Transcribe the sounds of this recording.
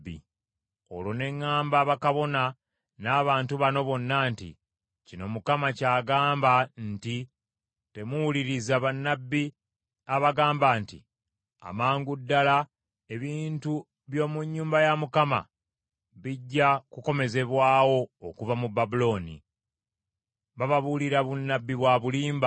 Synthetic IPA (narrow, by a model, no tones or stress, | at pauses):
ḭ | o̞̰lo̞ne̞ŋːaːmbaːβakaβo̞na | naːβaːntuβano̞βo̞nːaːntḭ | cino̞mukamacaːɡaːmbanti | te̞muwuliɾizaβanːabːi | aβaɡaːmbantḭ | a̰maːŋɡudːala | e̞βiːntu | βjo̞ːmuɲːuːmbajamukama̰ | βiɟːakuko̞me̞ze̞βwaːwo̞ːkuvamubːabulo̞ːnḭ | βaβaβuliɾaβunːabːiβwaːβuliːmba